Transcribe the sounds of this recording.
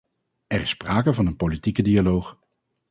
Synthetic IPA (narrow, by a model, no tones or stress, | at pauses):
ɛrɪsːpraːkəvɑnənpolitikədialowχ